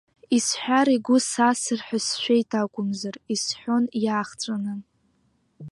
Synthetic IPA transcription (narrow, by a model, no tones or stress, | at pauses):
isħʷᶣaɾiɡʷʊsasɨrħʷᶣasʃᶣejtʰakʷʼʊmzarisħʷᶣo̞njaːχt͡sʷʼanɨn